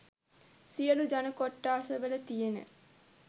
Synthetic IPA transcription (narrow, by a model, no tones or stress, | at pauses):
sijəlud͡ʒanəkoʈːaːsəʋələt̪ijenə̰